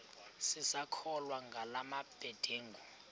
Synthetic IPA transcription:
sisakʰɔlwaŋɡʱalamab̥ʱɛd̥ʱeːŋɡʱu

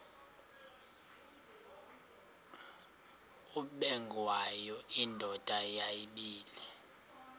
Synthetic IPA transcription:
uɓɛŋɡʱwajɔindʱɔtʼajajiɓiːlɛ

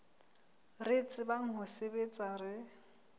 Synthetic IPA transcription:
ret͡sʼɪbaŋ̩ɦʊsebet͡sʼarɪ

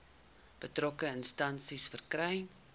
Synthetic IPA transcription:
b̥ətrɔkəənstɐnsisfərkrɛj

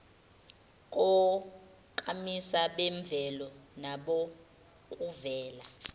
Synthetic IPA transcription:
k̬ʼɔ | kʼamisaɓɛɱb̪vʱɛlɔnaɓo | kʼuvɛːla

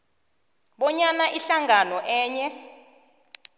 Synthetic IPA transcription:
ɓɔɲanaʔiɬaŋanɔʔɛːɲɛ

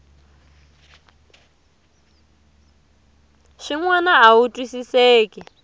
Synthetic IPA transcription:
ʂiŋwanaautʼwisisɛːkʼɛ

